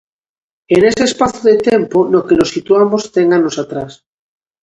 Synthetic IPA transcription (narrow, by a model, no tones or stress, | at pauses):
ene̞se̞ːspaθoðet̪e̞mpono̞kelosit̪uamo̞st̪eŋano̞sat̪ɾas